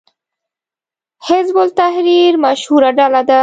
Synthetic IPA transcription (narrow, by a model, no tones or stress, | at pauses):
hɪzbʊlt̪ahɾiɾmaʃhuɾaɖalad̪a